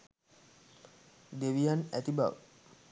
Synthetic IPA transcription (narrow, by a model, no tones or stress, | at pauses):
d̪eʋijanæt̪iba̰ʋ